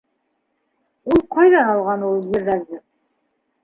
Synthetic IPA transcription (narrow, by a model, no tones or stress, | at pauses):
wolˠqʰɑjd̪ɑnɑlˠʁɑnwo̞lˠjeɾd̪ɑzd̪ə